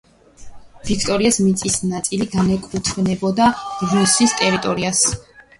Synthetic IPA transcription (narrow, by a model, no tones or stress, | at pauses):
vikʰt̪ʼɔɾiasmit̪sʼisnat̪sʼiliɡanɛkʼut̪ʰvnɛbɔd̪ḁɡusist̪ʼɛɾit̪ʼɔɾias